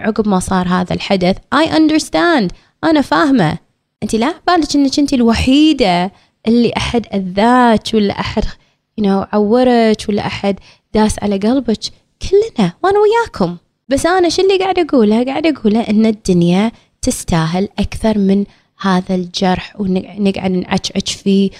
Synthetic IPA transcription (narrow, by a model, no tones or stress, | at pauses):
ʕʊɡbmasˤɑːɾˤɦaːða̰lħad̪aθʔajʔand̪əɾst̪and̪ | ʔanafaːhma̰ | ʔɪnt̪ilabaːlɪt͡ʃʔɪnːakʔɪnt̪ilwaħiːd̪a | ʔɪlːiʔaħad̪ʔaðːaːt͡ʃwɪlːa̰ʔaħad̪ | jɪnowʕawːɪɾat͡ʃwalːa̰ʔaħad̪ | d̪aːsʕa̰laɡɑlbat͡ʃ | kʰɪlːnawʔaːnawɪjːaːkʰʊm | basʔaːnaʃɪlːiɡaʕd̪ʔaɡuːlaɡaːʕɪd̪ʔaɡuːlaʔɪnːad̪ːʊnja | t̪ɪst̪aːɦɪlʔakθɑɾˤmɪn | haːðald͡ʒɑɾˤħwnɪnɪɡʕa̰d̪nʕa̰t͡ʃʕɪ̰t͡ʃfiː